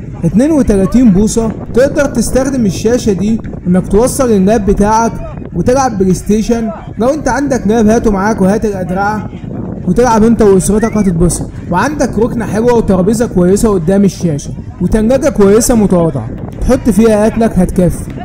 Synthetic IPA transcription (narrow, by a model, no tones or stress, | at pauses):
ʔet̪neːnwet̪ælæːt̪iːnbuːsˤɑt̪eʔd̪ɑɾˤt̪est̪æxd̪emeʃːæːʃæd̪iː | ʔenːæk̚t̪wɑsˤːɑlelɡæːbːet̪aːʕæk | wet̪eɡʕabːelest̪eːʃæn | ɡæwʔent̪æʕand̪ækɡæːbhæːt̪umaʕaːkwehæːt̪elʔæd̪ɾaʕæ | wet̪eɡʕabʔent̪æweʔosɾet̪ɑkhɑt̪et̪̚besˤɑ | weʕand̪ækɾoknæħelwæwet̪ɑɾˤbiːzɑkowæjːesæwʔod̪ːæːmeʃːæːʃæ | wet̪ænɡæɡækowæjːesæmot̪ɑwɑːd̪ˤḛʕɑ̰t̪ħot̪ˤːfiːhæʔæt̪lækhæt̪kæfːi̥